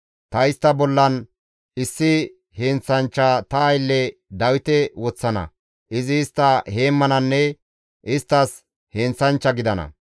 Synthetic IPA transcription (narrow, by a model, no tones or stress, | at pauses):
t̪ɐɪst̪ːɐbɔlːɐn | ɪsːɪ | heːnt͡sːɐnt͡ʃːat̪ɐːjlːɛd̪ɐwɪt̪ɛwɔt͡sːɐnɐ̰ | ʔɪzɪːst̪ːɐhe̞ːmːɐnɐnːɛ | ʔɪst̪ːɐs | heːnt͡sːɐnt͡ʃːɐɡɪd̪ɐnɐ̰